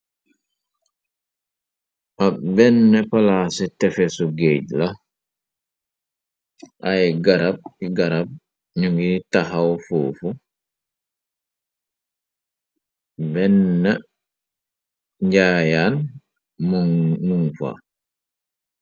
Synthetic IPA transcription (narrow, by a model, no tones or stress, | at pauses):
pabɛnːepalasetɛfesuɡeɟla | ʔajɡaɾab̚kiɡaɾab̚ | ɲuŋɡitaxawfuːfu | bɛnːe | ɲɟaːjaːn | mumuŋfa̰